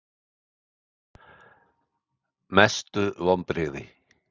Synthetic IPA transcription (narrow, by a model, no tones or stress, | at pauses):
mɛst̪ʏvɔmpɾɪːði